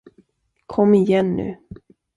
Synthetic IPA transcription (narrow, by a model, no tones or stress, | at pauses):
kʰɔmːɪjɛnːʉ̟̰ː